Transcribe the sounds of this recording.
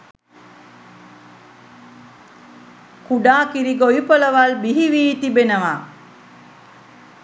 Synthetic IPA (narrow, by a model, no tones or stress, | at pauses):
kuɖaːkiɾiɡojupələʋalbiɦiʋiːt̪ibenəʋa